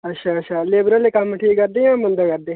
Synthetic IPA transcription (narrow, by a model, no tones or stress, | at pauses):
ɐtʃʰaːɐtʃʰaːleːbɾəlekɐmʈʰiːkkəɾd̪eːãːmʊnd̪akəɾd̪eː